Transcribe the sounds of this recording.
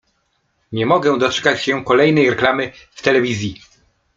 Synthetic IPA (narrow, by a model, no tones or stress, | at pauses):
ɲɛmɔɡɛ̃d̪ɔt͡ʂɛ̥kat͡ɕɕɛkɔlɛjn̪ɛjɾɛklamɘft̪ɛlɛvʲizʲji